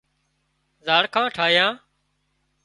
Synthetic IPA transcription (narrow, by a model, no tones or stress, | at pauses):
zaːɽkʰãːʈʰaːɦɪjãː